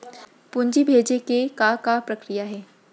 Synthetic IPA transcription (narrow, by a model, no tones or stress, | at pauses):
pʊ̃ɲd͡ʒibʱeːd͡ʒekekakapɾɐkɾijaɦɛː